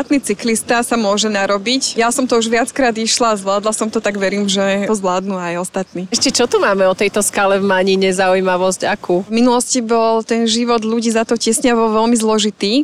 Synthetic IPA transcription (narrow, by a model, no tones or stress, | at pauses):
at̪niːt͡siklist̪asamʊɔʒɛnaɾɔbicjasɔmt̪ɔuʒʋɪat͡skɾaːd̪iʃlazʋlaːd̪lasɔmt̪ɔt̪aɡʋɛɾiːmʒɛɔzʋlaːd̪nuajɔst̪at̪niːɛʃcɛt͡ʃɔt̪umaːmɛɔt̪ɛjt̪ɔskalɛvmaɲiɲɛzaujmaʋɔscakuːvminulɔscibɔlt̪ɛnʒiʋɔd̪ʎuɟiːzat̪ɔcɛsɲaʋɔʋɛlmizlɔʒit̪iː